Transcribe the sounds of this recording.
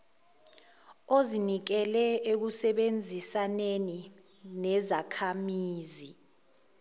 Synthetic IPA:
ozinik̬ɛlɛek̬usɛɓend͡zʱisaneni | nɛzakʰamiːzi

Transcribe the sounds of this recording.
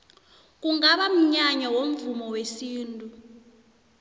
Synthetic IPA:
k̬uŋaɓam̩ɲaɲawom̩vumɔwesiːntʼu

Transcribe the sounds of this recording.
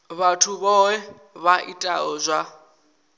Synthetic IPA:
βatʰuβɔwɛ | βaʔitʼaɔzʷa

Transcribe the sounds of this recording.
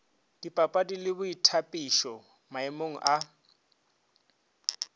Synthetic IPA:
d̥ipʼapʼadilɪbʊitʰapʼiʃɔ | maɪmoŋ̩ʔa

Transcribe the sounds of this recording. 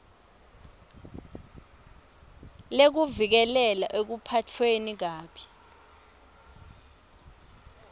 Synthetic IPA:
lek̬uvik̬ɛlɛla̰ʔek̬upʰatʰwenik̬aːpʰi̥

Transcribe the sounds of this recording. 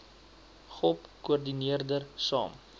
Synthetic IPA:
χɔpkuərdiniərdərsɑ̰ːm

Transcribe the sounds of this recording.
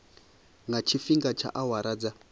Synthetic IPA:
ŋɡat͡ʃʰifiŋɡat͡ʃʰa̰ʔawaɾad͡za

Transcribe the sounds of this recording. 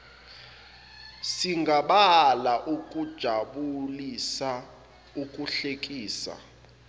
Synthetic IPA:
siŋɡʱaɓalaʔukʼud̥ʒ̥ʱaɓulisa | ukʼuɬekʼiːsa̰

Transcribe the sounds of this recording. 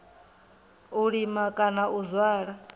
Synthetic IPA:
uɺimakʼanaʔuzwaːɺa

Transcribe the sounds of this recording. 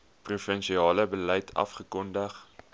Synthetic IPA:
prufənʃiɑːləbəlɛjtʰɐ̰fχəkɔndəχ

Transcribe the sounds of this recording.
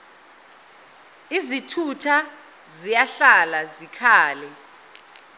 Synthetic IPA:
izitʰutʰa | zijaɬalazikʰaːlɛ

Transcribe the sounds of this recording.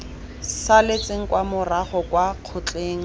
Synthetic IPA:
salet͡sʼeŋ̩kwamʊraχɔkwaq͡χʰʊt͡ɬʼeːŋ̩

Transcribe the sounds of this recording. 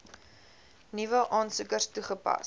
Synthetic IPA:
nivəʔɑːnsukərstuχəpɐ̰s

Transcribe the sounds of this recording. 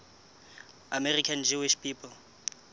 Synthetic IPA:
amɛrikʰand͡ʒuwɪʃpʰiːpʰɔl

